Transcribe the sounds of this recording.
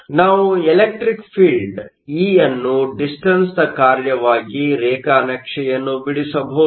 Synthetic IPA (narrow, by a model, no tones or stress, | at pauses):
naːʋuelek̚ʈɾikpʰiːlɖ | iːjɐnːuɖisʈɐnsd̪ɐkaːɾjɐʋaːɡiɾɛːkaːnɐkʂɛjɐnːubiɽisɐbʱɐ